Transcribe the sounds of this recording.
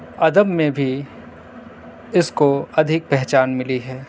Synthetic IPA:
ɐd̪əbmẽbʱi | ɪskoɐd̪ʱɪk̚pɛɦt͡ʃaːnmɪliɦɛː

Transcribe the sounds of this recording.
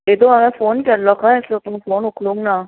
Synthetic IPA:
jet̪oɦɐmẽfoːnkɐɾlokãɪslot̪ʊmfoːnʊkʰlũːŋɡna

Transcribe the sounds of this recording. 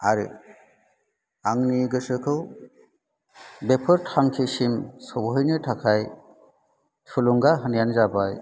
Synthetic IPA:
aɾɯ̰ | aŋniɡɯsɯkʰɯw | bepʰɯɾtʰaŋkʰisimsɔbɔɦjnɯtʰakʰaj | tʰulɔŋɡaɦɯnijanzabaj

